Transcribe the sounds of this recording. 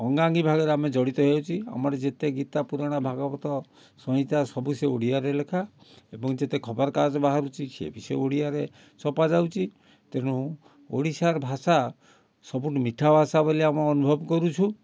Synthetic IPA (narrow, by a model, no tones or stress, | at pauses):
ɔŋɡaŋɡibʱaɡɔɾeamed͡ʒɔɽit̪ɔɦewt͡ʃʰia̰mɔɾed͡ʒet̪eɡit̪apuɾɔɽ̃abʱaɡɔbɔt̪ɔ | sɔɦĩt̪asɔbuseoɽijaɾelekʰa | ebɔŋd͡ʒet̪ekʰɔbɔɾkad͡ʒɔbaɦaɾut͡ʃʰisḛbʱisḛoɽiaɾe | sɔpad͡ʒawt͡ʃʰi | t̪eɽ̃ũ | o̰ɽisaɾbʱasa | sɔbuʈimiʈʰabʱasabɔliamɔɔnubʱɔbkɔɾut͡ʃʰu